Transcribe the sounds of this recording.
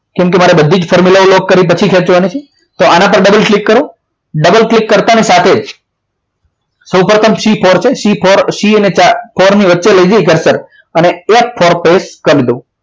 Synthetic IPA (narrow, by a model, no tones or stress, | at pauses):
kɛ̃mk̬emaɾebəd̪ʱːid͡ʒfʰɔɾmulaolokːəɾip̬ət͡ʃʰikʰet͡ʃʋanit͡ʃʰe | t̪oʔanapəɾɖəbəlklikːəɾõ | ɖəbəlklikːəɾt̪anisat̪ʰed͡ʒ | səwpɾət̪ʰəmʃipʰɔɾt͡ʃʰeʃipoɾʃiənet͡ʃafʰoɾniʋətːʃeləid͡ʒaikəɾsəɾ | əneefʰoɾpeskəɾlid̪o